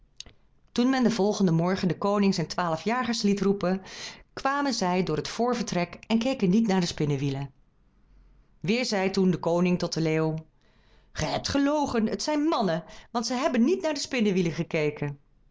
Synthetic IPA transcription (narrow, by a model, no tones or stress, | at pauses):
tunmɛndəvɔlˠχəndəmɔɹχəndəkownɪŋzɛjntʋaːləfjaːχəɹslitrupənkʋaːmənzɛjdʊːɹɦətfʊːɹvəɹtrɛkɛnkejkənitnaːɹdəspɪnəʋilə | ʋɪːɹzɛjtundəkownɪŋtɔtəleːo | χəjɦɛp̚tχəlowχənətsɛjnmɑnəʋɑntsəɦɛbənːitnaːɹdəspɪnəʋiləχəkejkən